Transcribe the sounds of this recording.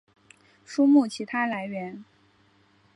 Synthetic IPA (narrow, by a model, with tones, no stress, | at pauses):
ʂu˥mu˥˩t͡ɕʰi˧˥t̪ʰa˥la˧˥ɪɥɛ˧˥n